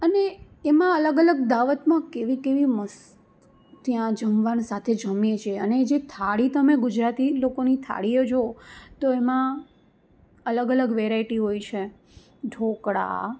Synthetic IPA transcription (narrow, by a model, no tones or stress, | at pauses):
əne | emãələɡələɡ̚d̪aʋət̪mãkeʋikeʋiməs | t̪jãd͡ʒəmʋansat̪ʰed͡ʒəmjet͡ʃʰieəned͡ʒet̪ʰaɽit̪əmeɡʊd͡ʒɾat̪ilokonit̪ʰa̰ɽiod͡ʒot̪oemã | ələɡələɡʋeɾaiʈiɦoijt͡ʃʰe | ɖʱokɽa̰